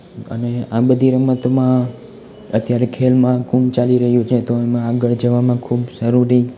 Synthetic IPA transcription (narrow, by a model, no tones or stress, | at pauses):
ə̰neãbəd̪ʱiɾəmət̪mã | ət̪jaɾekʰelmãkumt͡ʃaliɾəɦjũt͡ʃʰet̪oemãaɡəɭd͡ʒəʋamãkʰubsəɾuɾi